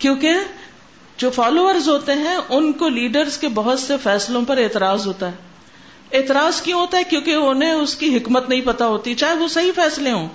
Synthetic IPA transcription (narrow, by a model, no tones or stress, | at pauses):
kjõːke | d͡ʒoːfaːloːʋəɾzɦoːt̪eɦɛ̃ʊnkoliːɖəɾzkebɐɦʊt̪sefɛːslõpɐɾeːt̪ɪɾaːzɦoːt̪aɦɛː | eːt̪ɪɾaːzkjõɦoːt̪aɦɛkjõːkeʊnɦẽʊskiɦɪkmət̪nɐɦĩpɐt̪aɦoːt̪it͡ʃaːɦeʋosɐɦifɛːslẽɦõː